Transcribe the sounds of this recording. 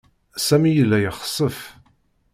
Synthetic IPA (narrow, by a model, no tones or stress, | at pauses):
sæmijəlːæjəχə̥sˤəf